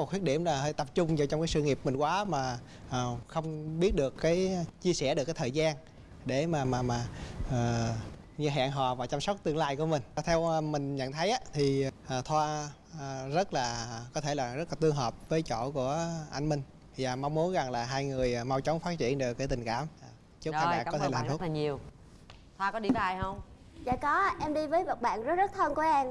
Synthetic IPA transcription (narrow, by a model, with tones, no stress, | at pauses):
t̪̚ʰwt̚ɗi˧˩əmlaː˨˩ɦjt̪ə˨˩p̚t͡ɕʊ˧ŋ͡mɲɨ˧˩t͡ɕɔ˧wŋ͡mkaː˨˦jsɨ̰˧ŋi˨˩əp̚mï˨˩ŋ̟kwaː˨˦maː˨˩ | ʔəː˨˩xə˧wŋ͡mɓi˦˥ət̚ɗɨ˨˩əkːaː˨˦jt͡ɕi˧əsɛ˧˩ɗɨ˨˩kːaː˦t̪ʰːjzaː˧n | ɗe˧˩maː˨˩maː˨˩maː˨˩əː˨˩ | ɲɨ˧ɦa̰ː˧˨nɦɔ̰ː˨˩vaː˨˩t͡ɕa˧msa˦˥k͡p̚t̪ɨ˧əŋlaː˧jku˧˩əmï˨˩ŋ̟t̪ʰɛ˧wmï˨˩ŋ̟ɲə̰˧˨nt̪ʰə˨˦jʔaː˨˦t̪ʰi˨˩ʔːt̪ʰwaː˧˨˩ | zə˦˥t̚laː˨˩kɔ˨˦t̪ʰe˧˩laː˨˩zə˦˥t̚laː˨˩t̪ɨ˧əŋɦəː˨˩p̚vəː˨˦jt͡ɕo̰˧˨ku˧˩əʔa̰˧jŋ̟mï˧ŋ̟ | zaː˨˩ma˧wŋ͡mmu˨˦nza˨˩ŋlaː˨˩ɦaː˧jŋɨ˨˩əjːma˧wt͡ɕə˨˦wŋ͡mfa˦˥t̚t͡ɕḭ˧˨ənɗɨ˨˩əkːaː˨˦t̪ï˨˩ŋ̟kaː˧˩m˨˩ | t͡ɕə˦˥kaː˧naː˨˩kɔ˨t̪ʰe˧˦laː˨˩˦a˨˩ɲi˨˩əw | t̪ʰwaː˧kɔ˨˦ɗi˧vəː˨˦ʔa˧jhə˧wŋ͡m | za̰ː˧˨kɔ˨˦˧ʔɛ˧mɗi˧vəː˨˦jmə˨˩t̚ɓa̰ː˧˨nzə˦˥t̚zə˦˥t̚t̪ʰə˧nku˧˩˦ʔɛ˧m